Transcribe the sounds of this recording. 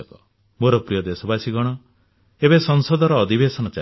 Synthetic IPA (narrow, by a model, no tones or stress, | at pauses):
kɔ | moɾɔpɾijɔd̪esɔbasiɡɔɽ̃ɔ | ebesɔŋsɔd̪ʱɔɾɔːd̪ʱibesɔnɔt͡ʃa